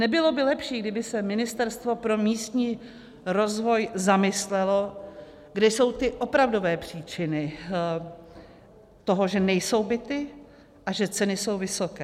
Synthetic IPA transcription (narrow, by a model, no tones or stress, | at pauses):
nɛbɪlo̞bɪlɛpʃiːɡdɪbɪsɛmɪnɪst̪ɛɾst̪vo̞pɾo̞miːst̪ɲiː | ɾo̞zvojzamɪslɛlo̞ | ɡdɛjso̞wt̪ɪʔo̞pɾavdo̞vɛːpr̝̥iːt͡ʃɪnɪ | t̪o̞ɦo̞ʒɛnɛjso̞wbɪt̪ɪ | ʔaʒɛt͡sɛnɪso̞wvɪso̞kɛː